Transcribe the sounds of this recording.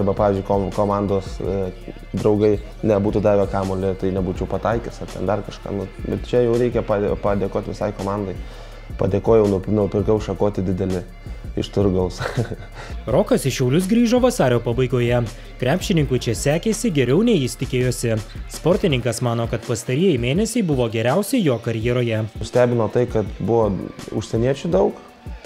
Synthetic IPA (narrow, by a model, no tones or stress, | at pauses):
ɐrbɐpɑːʋʲɪzʲd͡ʒʊɪkokoːmɑnd̪oːs | d̪ɾɐʊɡɐɪ | nʲɛbuːt̪uːd̪ɑːʋʲɛkɑːmoːlʲɪt̪ɐɪnʲɛbuːt͡ʃʲɛʊpɐt̪ɐɪkʲɛsɐrt̪ʲɛ̰nd̪ɐrkɐʃkɑ̰ːnʊbɛ̰tt͡ʃʲɛjɛʊɾʲɛɪkʲɛpɑpɐd̪ʲeːkoːt̪ʲʋʲɪsɐɪkoːmɑnd̪ɐɪ | pɐ̰d̪ʲeːkoːjɛʊnʊnʊpʲɪrkɐʊʃɐkoːt̪ʲɪd̪ʲɪd̪ʲɛlʲɪ | ɪ̰ʃt̪ʊɾɡɐlˠs | ɾoːkɐsɪʃʲɛʊlʲʊs̬ɡɾʲiːʒoːʋɐsɑːɾʲoːpɐbɐɪɡoːjɛ | kɾʲæːpʲʃʲt͡ʃʲɪnʲɪŋkʊɪt͡ʃʲɛsʲæːkʲeːsʲɪɡʲɛɾʲɛʊnʲɛjiːsʲt̪ʲɪkʲeːjoːsʲɪspɔːɾʲt̪ʲɪnʲɪŋkɐsmɑːnoːkɐt̪pɐst̪ɐɾʲiːjɛjmʲeːnʲɛsʲɛɪbʊʋoːɡʲɛɾʲæˑʊsʲɛɪjoːkɐɾʲjɛːɾoːjɛʊsʲt̪ʲæːbʲɪnoːt̪ɐɪkɐt̪bʊʋoːʊ̰ʃʲsʲɛnʲiɛt͡ʃʲʊd̪ɐʊk